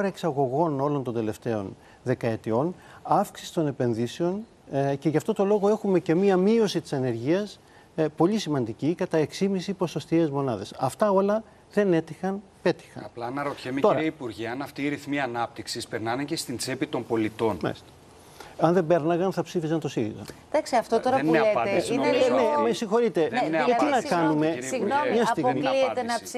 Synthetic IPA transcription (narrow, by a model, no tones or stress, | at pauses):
oɾɐeksɐɣo̞ɣo̞no̞lont̪o̞nd̪e̞le̞ft̪e̞o̞n | ðe̞kɐe̞t̪io̞nɐfksisi̥t̪o̞ne̞pe̞nðiseo̞n | ce̞ʝɐft̪o̞t̪o̞lo̞ɣo̞e̞xume̞ce̞miɐmio̞sit̪i̥sɐne̞ɾʝiɐs | po̞ʎisimɐnd̪icikɐt̪ɐe̞ksimisipo̞so̞st̪ie̞zmo̞nɐðe̞sɐft̪ɐo̞lɐ | ðe̞ne̞t̪ixɐnpe̞t̪i̥xɐ̰nɐplɐnɐɾot̪çemet̪oɾɐipuɾʝiɐɐnɐft̪iːɾiθmiɐnɐp̚t̪iksispeɾnɐnecest̪int͡se̞pit̪o̞mpo̞lit̪o̞nmɐ̰list̪e̥ | ɐnðembe̞ɾnɐɣɐnθɐpsifizɐnt̪o̞silḭzɐ̰ðɐkseɐft̪ot̪oɾɐeeinnemesiŋxo̞ɾit̪e̞ʝɐt̪inɐkɐnume̞mɲɐsst̪iɣommiliet̪enɐ